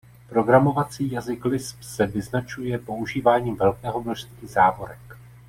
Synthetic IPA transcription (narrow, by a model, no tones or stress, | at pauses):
pɾo̞ɡɾamo̞vat͡siːjazɪklɪspsɛvɪznat͡ʃujɛpo̞uʒiːvaːɲiːmvɛlkɛːɦo̞mno̞ʃst̪vizaːvo̞ɾɛk